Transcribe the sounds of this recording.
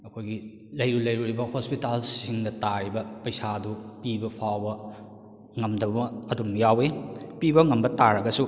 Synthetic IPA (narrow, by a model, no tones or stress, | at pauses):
ɐkʰojɡi | lɐjɾulɐjɾuɾibɐhospitalsiŋdɐtaɾibɐpɐjsadupibɐpʰawbɐ | ŋɐmdɐbɐɐdumjawepibɐŋɐmbɐtaɾɐɡɐsu